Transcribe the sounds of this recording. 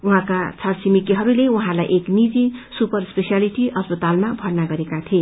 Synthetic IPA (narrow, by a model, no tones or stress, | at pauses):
uɦãkat͡sʰʌɾsimikiɦʌɾuleuɦãlajʔeknid͡zisupʌɾspesijaliʈiʌspʌt̪almabʱʌrnaɡʌɾekat̪ʰi